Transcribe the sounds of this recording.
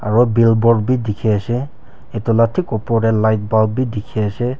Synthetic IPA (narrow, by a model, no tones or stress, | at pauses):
a̰ɾɔbilbɔɾbid̪ikʰease | et̪ɔlatʰikɔpɔɾelajt̚balbid̪ikʰease